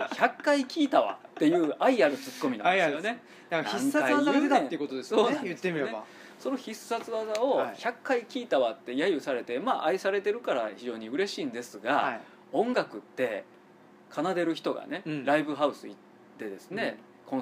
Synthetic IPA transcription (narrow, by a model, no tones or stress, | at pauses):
çakːaikʲiːt̪aβa̰tt̪ːe̞jɯ̟ːʔaiaɾɯ̟t͡sɨ̥kːo̞mʲinã̰dssijone̞ | d̪aknaĩŋkːaaaaeaejɯkot̪od̪essoːjɯt̪ːemiea | so̞no̞çisːat͡sɨβazao̞çakːaikʲiːt̪aβat̪ːe̞jajɯ̟saɾe̞t̪e̞maːʔaisaɾe̞t̪e̞ɾɯ̟kaɾa̰çiʑo̞ːɲ̟iɯ̟ɾe̞ɕiːnd̪e̞sɨɡaa | õ̞ŋɡakɯ̟t̪ːe̞ | kʰanad̪e̞ɾɯ̟çi̥t̪o̞ɡa̰ne̞ɾaibɯ̟ɦaɯ̟sɨ̰ḭt̪ː | e̞d̪e̞sɨne̞ | kʰõ